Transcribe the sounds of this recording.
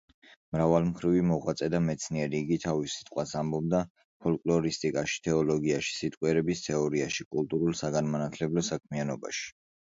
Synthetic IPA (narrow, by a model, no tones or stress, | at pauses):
mɾavalˠmχɾivimɔʁwat̪sʼɛd̪amɛt̪sʰniɛɾiːɡit̪ʰavisːi̥t̪ʼqʼwasambɔb̚d̪a | pʰɔlkʼlɔɾist̪ʼikʼaʃi̥t̪ʰɛɔlɔɡiaʃi̥sit̪ʼqʼwɛɾɛbist̪ʰɛɔɾiaʃikʼulˠt̪ʼuɾulˠsaɡanmanat̪ʰlɛblɔsak̚ʰmianɔba̰ʃi̥